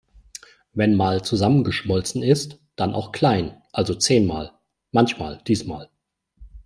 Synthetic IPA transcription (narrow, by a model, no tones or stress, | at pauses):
vɛnmaːlt͡suzamənɡəʃmɔlt͡sn̩ɪst | d̥anʔa̰ʊxkl̥aɪnʔalzot͡seːnmaːl | mançma̰ːld̥iːsma̰ːl